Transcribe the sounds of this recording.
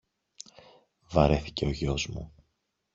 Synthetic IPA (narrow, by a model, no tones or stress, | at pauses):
vɐɾe̞θi̥ce̞o̞ʝo̞zmṵ